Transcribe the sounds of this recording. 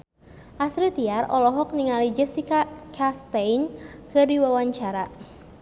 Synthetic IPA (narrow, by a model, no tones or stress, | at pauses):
ʔasɾit̪iarɔlɔɦɔk̚niŋalid͡ʒɛsikakʰast̪ejnkɨdiwawaɲt͡ʃaɾa